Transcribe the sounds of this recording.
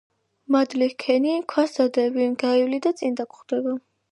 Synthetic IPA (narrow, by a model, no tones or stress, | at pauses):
mad̪likʰɛnikʰwasad̪ɛbiɡaivlid̪at̪sʼind̪akχd̪̥ɛba